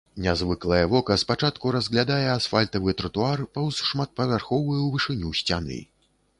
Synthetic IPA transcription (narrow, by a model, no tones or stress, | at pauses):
nʲazvɨklˠɐjɐvɔkɐspat͡ʂat̪kuɾɐzɣlʲad̪ajɛasfalʲt̪ɐvɨt̪ɾɐt̪uarpɐwʂmat̪̚pɐvʲarxɔvɨjɛwvɨʂɨnʲusʲt͡sʲanɨ̰